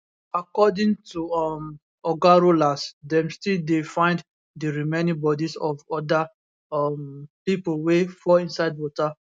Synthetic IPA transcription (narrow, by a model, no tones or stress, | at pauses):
akɔdĩŋtuɔm | ɔɡaɹolasdɛ̃mstildefãɪ̃nd | dəɹimenĩŋbɔdisɔvɔda | mpipolwefɔĩnsaɪdwɔta